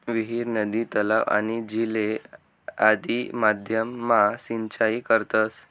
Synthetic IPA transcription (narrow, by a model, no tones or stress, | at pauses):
ʋiɦiɾnəd̪it̪əlaʋa̰ñid͡ʑile | ad̪imad̪ʱjəmːasiɲt͡ɕaikəɾt̪əs